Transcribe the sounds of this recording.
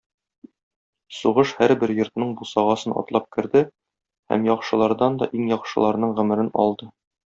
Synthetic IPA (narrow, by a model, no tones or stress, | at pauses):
suʁɤʃhæɾbɘɾjŏɾt̪nɤɴbusɑʁɑsɤnɒ̰t̪lˠɑp̚kɘ̆ɾd̪ɘ | hæ̰mjɒqʃɤ̆lˠɑɾd̪ɑnd̪ɒ̰ʔiŋjɒqʃɤ̆lˠɑɾnɤɴʁɵ̆mɘ̆ɾɘnɒ̰lˠd̪ɤ